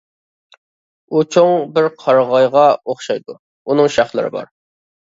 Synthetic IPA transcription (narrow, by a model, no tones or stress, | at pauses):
ut͡ʃʰoŋbɪɾqʰɑɾʁɑjʁɑoχʃɑjd̪u | unɨŋʃɑχlˠɨ̰ɾɨ̰bɑ̰ɾ